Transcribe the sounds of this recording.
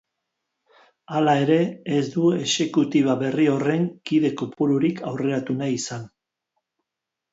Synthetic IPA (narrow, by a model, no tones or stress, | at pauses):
alae̞ɾe̞ːzd̪ue̞se̞kut̪iβ̞aβe̞rio̞re̞ŋkiðe̞kopuɾuɾikʰawre̞ɾat̪unaisan